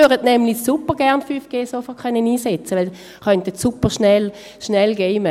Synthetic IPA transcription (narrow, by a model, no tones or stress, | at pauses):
øʁədnɛmlisupəʁɡ̥ɛʁnfyfɡ̥eːsofɔkχœnːəniːsɛt͡səʋɛl | χœntətsupəʁʃnɛl | ʃnɛlɡeːmə